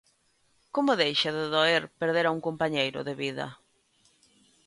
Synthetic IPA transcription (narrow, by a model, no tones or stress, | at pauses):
komʊðejʃaðeðoeɾpeɾðeɾauŋkompaɲejɾʊ̰ðeβiðɐ̰